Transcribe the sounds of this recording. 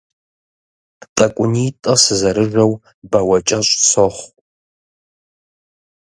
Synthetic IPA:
tʼɐkʷʼʊnitʼɐsɨzɐɾɨʒʷɐw | bɐwɐt͡ʃʼɐɕʷʼsoχʷ

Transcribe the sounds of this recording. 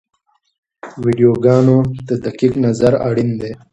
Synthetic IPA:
wiɖijoːɡɑːnot̪əd̪akiknɐzɐɾa̰ɽind̪e

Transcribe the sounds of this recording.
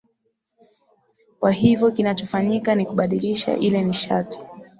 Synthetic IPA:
kwaɦivjɔkinat͡ʃɔfaɲikanikuɓaɗiliʃa̰ʔilɛniʃati̥

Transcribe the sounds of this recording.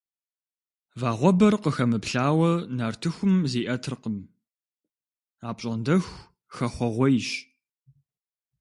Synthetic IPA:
vaːʁʷɔbɐrqəxɐmɨpɬaːwɐnɐrtʰɨxʷʊmziːʔɐtʰɨrqəm | aːpʼɕʼɐndɐx | xɐχʷɔʁʷɔjɪɕ

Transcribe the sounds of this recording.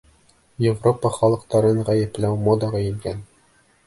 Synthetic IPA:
jevropəχɒlˠɤ̆qt̪ɑɾɤɴʁæjɘ̆plæwmod̪ɑʁɑjɘ̆ŋɡæn

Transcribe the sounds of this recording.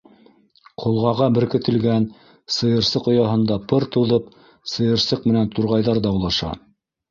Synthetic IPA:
qʰŏlˠʁɑʁɑbɘ̆ɾkɘ̆t̪ʰɘ̆lɡæn | sɤ̆jɤ̆ɾsɤqŏjɑɦɤ̆nd̪ɑpɤɾt̪ɤ̆wðɤp | sɤ̆jɤ̆ɾsɤqmɘ̆nænt̪uɾʁɑjðɑɾðɑːwlˠɑʃɑ̰

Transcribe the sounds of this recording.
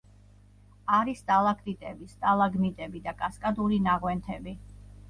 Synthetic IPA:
aɾist̪ʼalˠakʰʼt̪ʼit̪ʼɛbist̪ʼalˠaɡmit̪ʼɛbid̪akʼaskʼad̪uɾinaʁwɛnt̪ʰɛbi

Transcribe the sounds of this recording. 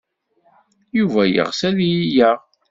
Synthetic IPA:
juvæjə̰ʁsæðjijæʁ

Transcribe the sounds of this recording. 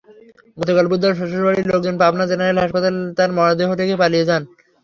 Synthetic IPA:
ɡɔt̪okalbud̪ʱːaɾʃoʃoʃbaɽiɾlok̚d͡ʑonpabnad͡ʑenaɾelɦaʃpat̪alt̪aɾmɔad̪eɦot̪ʰekepalijed͡ʑan

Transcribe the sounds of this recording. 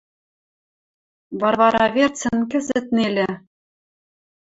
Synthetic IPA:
βɑrβɑɾɑvʲert͡sɘ̆nkɘ̆zɘ̆t̪̚nelʲɘ̆

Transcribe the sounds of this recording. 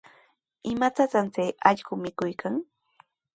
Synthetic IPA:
ɪmat͡sat͡sant͡sejɑʎɢʊmɪkʊjkʰaŋ

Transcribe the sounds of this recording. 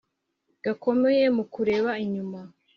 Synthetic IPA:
ɡ̥ako̞me̞je̞mukuɾe̞ːβaiɲuma

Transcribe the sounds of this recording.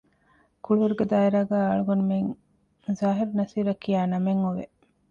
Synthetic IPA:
kuɭuʋɐɾuɡed̪aːiɾaːɡæːɐɭuɡonumeŋ | zaːɦiɾunɐsiːɾɐkːijaːnɐmeŋoʋḛ

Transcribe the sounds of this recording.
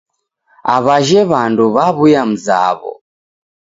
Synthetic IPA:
aβaʒɛβanduβaβujam̩za̰βɔ̰

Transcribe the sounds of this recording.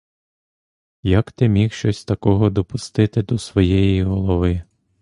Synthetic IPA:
jɐkt̪ɪmʲixʃt͡ʃɔsʲt̪ɐkɔɦɔd̪ɔpʊst̪ɪt̪ɪd̪ɔsʋɔjɛjiɦɔlˠɔʋɪ

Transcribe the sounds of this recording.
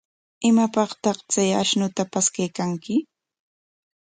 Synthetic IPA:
ɪmapɑχt̪ɑχt͡saja̰ʃnʊt̪apaskajkaŋkɪ

